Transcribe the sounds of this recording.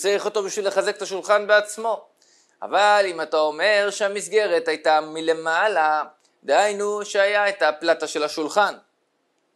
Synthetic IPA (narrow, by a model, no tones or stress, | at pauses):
t͡sajiχo̞to̞biʃvile̞χazeket̪aʃulχanbeat͡smo̞ | a̰valimatao̞me̞ʁʃeamisɡe̞ʁe̞tajtamile̞mala | d̪ehajnuʃeajaetaplataʃe̞lhaʃulχan